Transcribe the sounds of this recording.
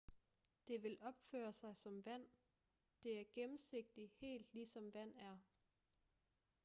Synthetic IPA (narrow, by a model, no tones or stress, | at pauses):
d̥e̝ʋe̝lɒ̽b̥fø̰ːɐsɑ̈ɪsɒ̽mʋæn̰ | d̥e̝æɐɡ̥emn̩se̝ɡ̥̚d̥ihe̝̰ːld̥lisɒ̽mʋæn̰æɐ